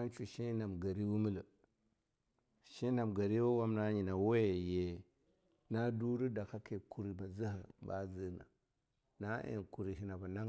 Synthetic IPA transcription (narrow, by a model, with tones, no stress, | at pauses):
a˦n˦t͡ʃu˨ʃi˦na˨mɡa˨ɾi˦wu˦mə˦lə˨ | ʃi˦na˨mɡa˨ɾi˦wo˦wa˦mna˦ɲi˨na˨we˦˨je˨ | na˦du˦ɾu˦da˨ka˦ke˨ku˨ɾi˨ba˨zə˦hə˨ba̰˦zə˦na̰˨ | na˦ʔḛ˨nku˨ɾi˨ɦi˨na˨ba˨na˦